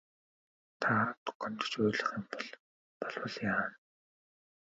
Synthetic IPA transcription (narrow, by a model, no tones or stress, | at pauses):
t̪ʰat̪ʊ̥qɔnt̪ə̥̆t͡ɕʊjɮə̆χimpɔɮ | pɔɮwə̆ɮjaːn